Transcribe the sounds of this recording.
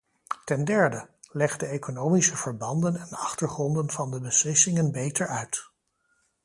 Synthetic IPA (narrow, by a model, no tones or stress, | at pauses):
tɛndɛɹdəlɛχdəekonowmisəv̥əɹbɑndənɛnɑχtəɹχrɔndənvɑndəbəslɪsɪŋənbejtəɹœɥt